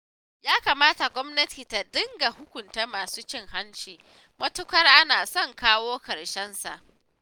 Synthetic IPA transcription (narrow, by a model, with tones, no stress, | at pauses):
jaː˦kaː˨maː˦ta˨ɡʷɔ˦mnɐ˦tʰiː˨ta˨dɪ˦ŋɡa˨hʊ˦kʷʊ˨nta˦maː˨suː˦t͡ʃɪ˦ŋha˦nt͡ʃiː˨ | mɐ˦tʊ˦kʷɐ˦rʔa˦naː˨sɔ˦˨ŋkaː˦woː˦kɐ˨ɽʃɛ˦nsa˨ʔ